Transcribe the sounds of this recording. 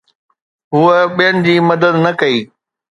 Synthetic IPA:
ɦʊəɓijənɪ̆d͡ʑiːmɐd̪əd̪nɐkɐiː

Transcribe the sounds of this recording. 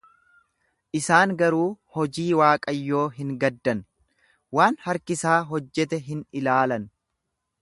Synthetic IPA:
ʔɪsaːŋɡɐɾuːhɔd͡ʒiːwaːkʼɐjːo̞ːɦɪŋɡɐd̪ːɐn | waːnhɐɾkɪsaːɦɔd͡ʒːɛt̪ɛɦɪnɪlaːlɐn

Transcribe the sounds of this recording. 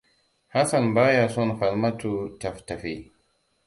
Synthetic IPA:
hasanbajasɔnfalmatutaftafi

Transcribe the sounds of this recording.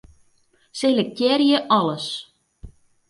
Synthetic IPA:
selək̚tʲjɛrjəʔɑləs

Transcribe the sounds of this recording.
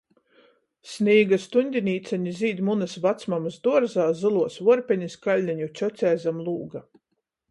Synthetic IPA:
sʲniːɡast̪unʲd̪ʲinʲiːt̪saɲʲiziːd̪ʲmunɨsvat̪smamsd̪uɔɾzaːzɨlˠuɔsvuɔɾpʲɛɲʲiskalʲnʲaɲʲut͡ʃʲɔt̪sʲɛjzamlˠuːɡa

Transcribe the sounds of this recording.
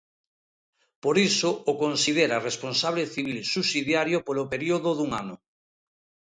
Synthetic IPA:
poɾisoːkonsiðeɾaresponsaβ̞leθiβilsusiðjaɾjopolopeɾioðʊðuŋanʊ

